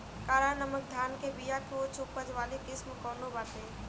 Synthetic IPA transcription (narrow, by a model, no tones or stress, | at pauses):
kaːɾanəmək̚d̪ʱaːnkebijakoːt͡ʃʰʊpəd͡ʒʋaːlekɪsmkɔːnobaːt̪eː